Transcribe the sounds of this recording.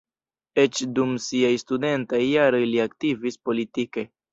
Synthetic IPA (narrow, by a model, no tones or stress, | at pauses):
e̞t͡ʃdumsiajstude̞ntajːaɾo̞jliaktivispo̞litike̞